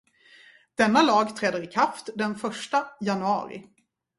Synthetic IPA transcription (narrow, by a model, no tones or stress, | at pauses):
d̪̥ɛnːalɑːɡt̪ʰɾɛd̪ːəɾɪkʰaft̪d̪ɛnfœʂʈajanɵɑ̰ːɾɪ̰